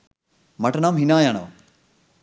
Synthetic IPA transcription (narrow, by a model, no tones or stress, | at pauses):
mɐʈnaːmɦinaːjanɐ̰